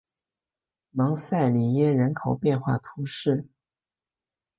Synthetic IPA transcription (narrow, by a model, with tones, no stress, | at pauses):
mɑ˧˥ŋsa˥˩ɪli˨˩jɛ˥ɻə˧˥nkʰo˨˩ʊpjɛ˥˧nxwa̰˥˩t̪ʰu˧˥ʂɻ̩˥˩